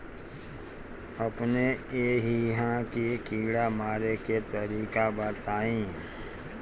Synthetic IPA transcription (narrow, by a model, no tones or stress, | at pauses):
əpneeːɦiɦãkikiːɽamaːɾeket̪əɾiːkabət̪aːĩː